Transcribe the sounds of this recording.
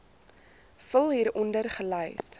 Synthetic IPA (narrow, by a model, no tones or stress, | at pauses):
fəlˠɦiːɾɔndərχəlœjs